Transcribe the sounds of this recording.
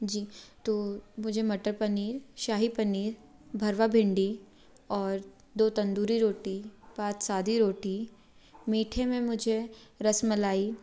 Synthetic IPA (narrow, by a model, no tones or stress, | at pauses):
d͡ʒiːt̪oːmʊd͡ʒʱemɐʈəɾpɐniːɾʃaːɦipɐniːɾ | bʱɐɾʋabʱɪ̃ɳɖi | ɔːɾ | d̪oːt̪ɐ̃nd̪uːɾiɾoːʈipaːt̪saːd̪ʱiɾoːʈi | miːʈʰẽmẽmʊd͡ʒʱeɾɐsmɪlaːi